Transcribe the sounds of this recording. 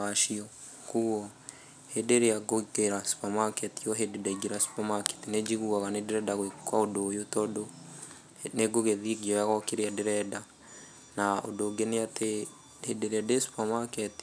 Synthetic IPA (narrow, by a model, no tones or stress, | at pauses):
aʃiɔ | kuɔ | hedeɾejaɡokeɾasu̥pamakɛtijɔɦededaiɡeɾasu̥pamakɛ̥tined͡ʒiɣuaɣanedeɾɛdaɣwekwaodojotɔdo | neɡoɣeðiɡiɔjaɣɔkeɾeadeɾɛda | nao̰doɡeneate | hedeɾeadesu̥pamakɛti̥